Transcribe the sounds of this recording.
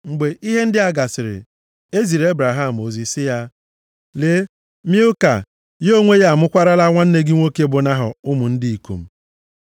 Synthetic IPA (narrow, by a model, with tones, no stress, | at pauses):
ŋ͡m̩˨ɡ͡be˨ʔi˦ɦe˦n̩˦dɪ˦a˦ɡa˨sɪ˨ɾɪ̰˨ | e˦zi˨ɾe˦bɾa˨ɦa˦˨m̩˨o˨zi˨sɪ˦ja˦ | le˦ | mi˦ʊ˦ka˨ | jo˦ŋʷe˦ja˦˨a˨mʊ˦kʷa˦ɾa˦la˦ŋʷa˦n̩˦ne˦ɡɪ˦ŋʷo˦ke˦bʊ˨na˦ɦɔ˨ʊ˦mʊ˨n̩˦dɪ˦i˨ko̰˨m̩˨